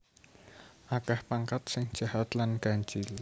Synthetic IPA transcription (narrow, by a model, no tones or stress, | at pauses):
ʔakahpaŋkat̪̚sɪŋd̥ʒ̥a̤ɦat̪lanɡ̥and͡ʒɪl